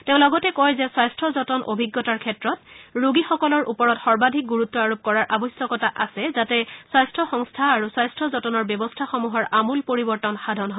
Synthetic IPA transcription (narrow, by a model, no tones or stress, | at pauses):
teʊ̃lɔɡɔtɛkɔjzɛswajstʰɔzɔtɔnʔo̰bʱiɡːɔtaɹkʰɛtɹɔt̚ɹuɡixɔkɔlɔɹʔupɔɹɔtxɔɹbadʱik̚ɡuɹutːɔaɹup̚kɔɹaɹʔabɔsɔkɔtaʔasɛzatɛswajstʰɔxɔŋstʰaːɹuswajstʰɔzɔtɔnɔɹbjɔbɔstʰaxomuɦɔɹʔamulpoɹibɔɹtɔnxadʱɔnɦɔ